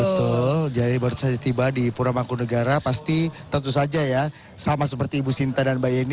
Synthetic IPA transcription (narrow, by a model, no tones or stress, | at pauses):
bət̪ʊld͡ʒadibəɾut̪sad͡ʒat̪ibadipuɾamakunəɡaɾapast̪it̪ənt̪usad͡ʒaja | samasəpərt̪iːbusint̪adanbajan